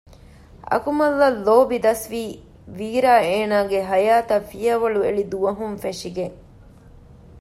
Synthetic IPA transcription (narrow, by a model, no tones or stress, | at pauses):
ɐ̰kumɐlːɐlːoːbid̪ɐsʋiː | ʋiːɾaːeːnaːɡeɦɐjaːt̪ɐfijɐʋɐɭuḛɭid̪uʋɐɦumfeʂiɡe